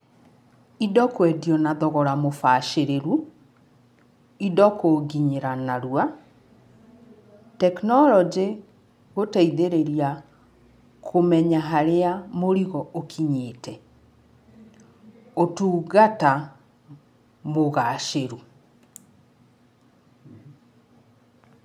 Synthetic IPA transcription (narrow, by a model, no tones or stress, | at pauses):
idɔkwɛdiɔnaðɔɣɔɾamofaʃeɾeɾu | idɔkoɡiɲeɾanaɾua | tɛknɔlɔd͡ʒe | ɣotaiðeɾeɾia | kʰomɛɲaɦaɾeamoɾiɣɔokʰiɲeːtʰɛ | otuːɡata | moɣaʃeɾu